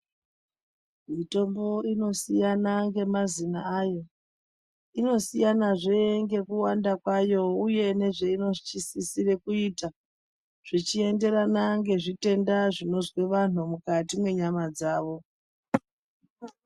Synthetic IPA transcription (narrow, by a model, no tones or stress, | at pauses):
mito̞mbo̞ino̞sijanaŋɡe̞mazinaajo̞ | ino̞sijanaʐeŋɡe̞kuwandakwajo̞uje̞ne̞ʐeino̞t͡ʃisisire̞kuita | ʐ̥it͡ʃie̞nde̞ɾanaŋɡe̞ʐite̞ndaʐino̞zwe̞ʋan̤umukatimwe̞ɲamad͡zaːʋo̞